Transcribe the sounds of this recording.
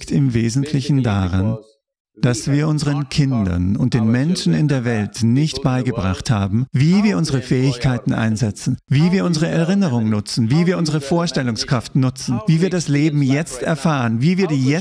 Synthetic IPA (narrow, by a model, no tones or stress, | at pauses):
ktɪmveːzn̩tʰlɪçn̩da̰ʁan | d̥asv̥iːɐʔʊnzəʁənkʰɪndɐ̰nʊnt̚d̥eːnmɛnʃn̩ɪndeːɐvɛltnɪçtb̥aɪɡəbʁa̰χtha̰ːbm̩viːviːɐʔʊnzəʁəfɛːɪçkʰaɪtn̩ʔa̰ɪnzɛt͡sn̩viːviːɐʊnzəʁəɛɐʁɪnəʁ̞ʊŋnʊt͡sn̩viːviːɐʔʊnzəʁəfoːɐʃtɛlʊŋskʁ̥aftnʊt͡sn̩viːviːɐdasleːbm̩jɛt͡stɛɐfaːʁənviːviːɐdiːɛ